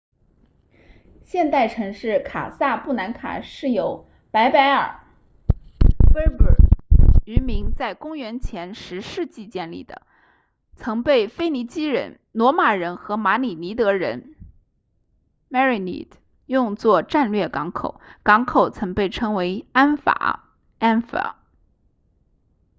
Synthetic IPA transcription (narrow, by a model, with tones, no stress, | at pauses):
ɕjɛ˥˧nt̪a˥˩ɪʈ͡ʂʰɤ˧˥ŋʂɻ̩˥˩kʰa̰˨˩sa˥˧pu˥˩na˧˥nkʰa̰˨˩ʂɻ̩˥˩jo˨˧˩ʊ | pa˧˥ɪpa˧˥ɪə̰˞˨˩˦ | we˥pə˨˩y˧˥mi˧˥ŋt͡sa˥˩ɪkʊ˥ŋɥɛ˧˥nt͡ɕʰjɛ˧˥nʂɻ̩˧˥ʂɻ̩˥˧t͡ɕi˥˧t͡ɕjɛ˥˧nlḭ˥˩d̪ə̰˩ | t͡sʰɤ˧˥ŋpe˥˩ɪfe˥ɪni˧˥t͡ɕi˥ɻə̰˧˥n | nwɔ˧˥ma˨˩ɻə˧˥nxɤ˧˥ma˧˥ni˨˩ni˧˥t̪ɤ˧˥ɻə˧˥n | mɛ˥ɹi˨˩nḭ˧˥d | jʊ˥˧ŋt͡swɔ˥˧ʈ͡ʂa˥˧nlɥɛ˥˩kɑ˧˥ŋkʰo̰˨˩˦ʊkɑ˧˥ŋkʰo˨˩ʊt͡sʰɤ˧˥ŋpe˥˩ɪʈ͡ʂʰɤ˥ŋwe˧˥ɪa˥nfa̰˨˩˦ | a˥nfa̰˨˧˥